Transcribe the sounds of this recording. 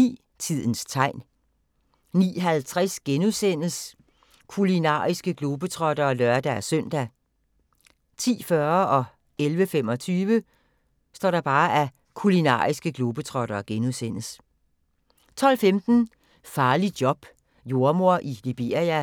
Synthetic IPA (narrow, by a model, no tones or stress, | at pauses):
ḭː | t͡sʰið̰ˠn̩st͡sʰɑ̈ɪ̰n | nḭːɦælt͡sʰʁɛsɡ̥enuðˠsen̰s | kʰulinɑ̰̈ːisɡ̥əɡ̥loːb̥ət͡sʰʁɒɾ̥ɐːlɶɐd̥ææsœn̰d̥æ | t͡sʰḭːfɶɐʔɒ̽ | elʋəfem̰ɒ̽t͡sʰyːʋə | sd̥ɒ̰ːɾ̥ɑ̈b̥ɑ̈ːʔæ | kʰulinɑ̰̈ːisɡ̥əɡ̥lob̥ət͡sʰʁɒ̽ɾ̥ɐːɡ̥enuðˠsen̰s | t͡sʰɒ̽l̰femd̥n̩ | fɑ̈ːlid̥jɒ̽b̥ | jo̝ɐmo̝ɐ̰ʔilib̥e̝ɐijæ